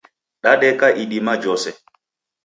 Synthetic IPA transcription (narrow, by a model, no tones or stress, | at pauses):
ɗaɗɛkaʔiɗimad͡ʒɔsɛ